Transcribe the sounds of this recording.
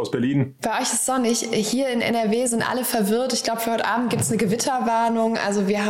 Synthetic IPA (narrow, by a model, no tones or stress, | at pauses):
ʊsb̥ɛɐliːnb̥aɪʔɔʏçɪstz̥ɔnɪçhiːɐɪnʔɛ̰nɛɐveːzɪntʔa̰ləfɛɐvɪɐtɪçɡ̥laʊbə̥fyːhɔʏtəʔaːbm̩t̚ɡ̥iːp̚təsnəɡəvɪtʰɐvaɐnʊŋʔa̰lzoviːɐhaː